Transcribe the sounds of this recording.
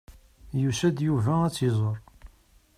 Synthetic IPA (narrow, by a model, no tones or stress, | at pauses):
jusæd̪juvææt͡sːizˤoɾˤ